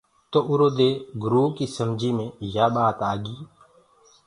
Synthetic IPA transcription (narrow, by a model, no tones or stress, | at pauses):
t̪oːʔʊɾoːd̪eːɡɾuːkiːsəmd͡ʒʱiːmẽːjaːɓaːt̪aːɡiː